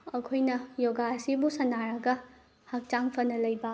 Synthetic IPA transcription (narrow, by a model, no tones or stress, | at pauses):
ɐkʰojnɐjoɡasibusɐnaɾɐɡɐ | hak̚t͡ʃaŋpʰɐnɐlɐjbɐ